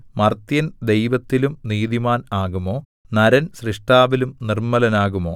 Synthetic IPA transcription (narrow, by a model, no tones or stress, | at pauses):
mɐrt̪jɐnd̪e̞jʋɐt̪ːilumniːðimaːnaːɣumo̞ː | nɐɾɐnsriʂʈaːʋilumnirmɐlɐnaːɣumo̞̰ː